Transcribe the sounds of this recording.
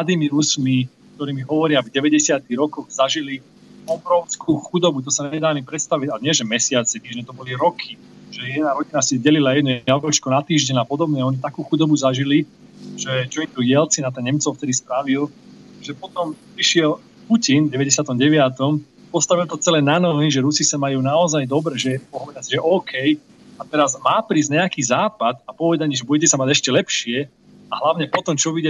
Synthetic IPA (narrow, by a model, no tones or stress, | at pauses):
mlad̪iːmiɾusmi | k̚t̪ɔɾiːmiɦɔʋɔɾɪavɟɛʋɛɟɛsɪat̪iɣɾɔkɔɣzaʒili | ɔbɾɔʊskuːxud̪ɔbut̪̬ɔsaɲɛd̪aːamipɾɛt̪st̪aʋiɟaɲɪɛʒɛmɛsɪat͡sɛt̪iːʒɲɛt̪ɔbɔliɾɔkʰi | ʒɛjɛd̪naɾɔɟinasizɟɛlilajɛd̪nuaɡɾɔt͡ʃkɔnat̪iːʒɟɛɲapɔd̪ɔbɲɛɔɲit̪akuːxud̪ɔbuzaʒili | ʒɛd͡ʒɔnd̪uɛlt͡sinat̪ɛɲɛmt͡sɔʊft̪ɛd̪ispɾaʋilʒɛpɔt̪ɔmpɾiʃɪɛl | pucinvɟɛʋɛɟɛsɪat̪ɔmɟɛʋɪat̪ɔm | pɔst̪aʋilt̪ɔt͡sɛlɛnanɔɦiʒɛɾusisamajuːnaɔzajd̪ɔbɾɛʒɛpɔɦɔʋɛd̪asiʒɛʔɔːkʰɛj | at̪ɛɾazmaːpɾiːzɲɛakiːzaːpad̪apɔʋɛd̪aɲiʒɛbudɛcɛsamaɟɛʃcɛlɛpʃɪɛ | aɦlaʊɲɛpɔt̪ɔmt͡ʃɔʋidɛ